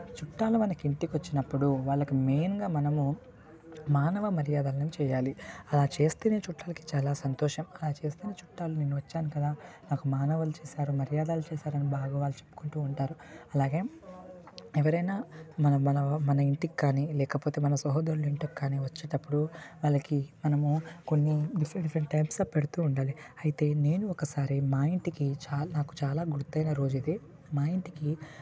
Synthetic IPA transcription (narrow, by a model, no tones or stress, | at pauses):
t͡ʃuʈːaːlumɐnɐkiɳʈikʋɐt͡ʃːinɐpːuɽuʋaːɭːɐkime̞ːnɡaːmɐnɐmu | maːnɐʋɐmɐɾjaːd̪aːlɐnemt͡ʃɛːjaːliɐlaːt͡ʃe̞ːst̪eːneːt͡ʃuʈːaːlɐki̥t͡ʃaːlaːsɐnt̪ɔːʂɐmɐlaːt͡ʃe̞ːst̪eːneːt͡ʃuʈːaːlune̞ːnːuʋɐt͡ʃːaːnukɐd̪aːnaːkumaːnɐʋɐlut͡ʃeːsaːɾumɐɾijaːd̪aːlut͡ʃɛːsaːɾɐnibaːɡaːʋaːɭːut͡ʃepːu̥kuɳʈuːɳʈaːɾuɐlaːɡe̞ː | ɛʋɐɾɐjnaːmɐnɐmɐnɐmɐnɐiɳʈikkːaːnilɛːkɐpo̞ːt̪e̞ːmɐnɐsɐɦoːd̪ɐɾuluiɳʈɐkːaːniʋɐt͡ʃːɐːʈɐpːuɽuʋaːlɐkimɐnɐmuko̞nːiɖipʰɾɖifɾɐɳʈːɐjpsɐpeɽut̪uːuɳɖaːliɐjit̪e̞ːne̞ːnuɔkɐsaːɾimaːjiɳʈikit͡ʃaːnaːku̥t͡ʃaːlaːɡuɾut̪ːɐjnɐɾo̞ːd͡ʒid̪i | maːjiɳʈiki